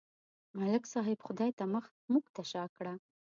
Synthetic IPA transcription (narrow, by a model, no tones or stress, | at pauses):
malɪksɑɦɪbxʊd̪ɑjt̪aməxt̪̚muɡt̪aʃɑkɽa